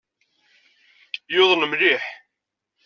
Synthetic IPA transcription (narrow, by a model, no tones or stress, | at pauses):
joðˤləmliħ